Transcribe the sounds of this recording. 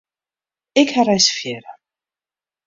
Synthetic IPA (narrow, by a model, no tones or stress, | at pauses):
ɪkharajsfjɛːɾa